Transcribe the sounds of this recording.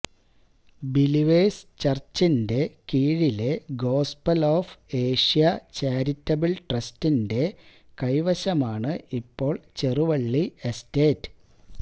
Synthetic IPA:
biliʋeːst͡ɕɐrt͡ɕːinde̞kiːɻile̞ɡo̞ːspɐloːfe̞ːʂijɐt͡ɕaːɾitːɐbilʈrɐstinde̞kɐjʋɐɕɐmaːɳɨʔipːo̞ːɭt͡ɕe̞ruʋɐɭːiesteːtːɨ̥

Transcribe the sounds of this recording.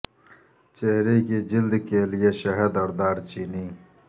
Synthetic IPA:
t͡ɕeɦɾeked͡ʑild̪keːlijeɕɐɦɐd̪ɐɾd̪aːɾt͡ɕiniː

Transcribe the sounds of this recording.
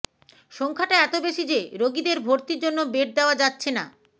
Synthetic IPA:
ʃɔŋkʰaʈaɛt̪obeʃid͡ʑeɾoɡid̪eɾbʱoɾt̪iɾd͡ʑonːobeʈ̚d̪eoad͡ʑatːɕʰena̰

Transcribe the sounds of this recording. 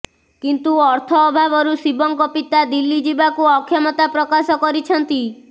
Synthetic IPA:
kint̪uɔɾt̪ʰɔːbʱabɔɾusibɔŋkɔpit̪ad̪ilːid͡ʒibakuɔkʰːjɔmɔt̪apɾɔkasɔkɔɾit͡ʃʰɔnt̪i

